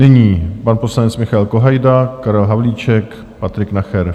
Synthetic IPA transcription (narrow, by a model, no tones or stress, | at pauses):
nɪɲiːpanpo̞slanɛt͡smɪxaɛlko̞ɦajdakaɾɛlɦavliːt͡ʃɛk | pat̪ɾɪknaxɛɾ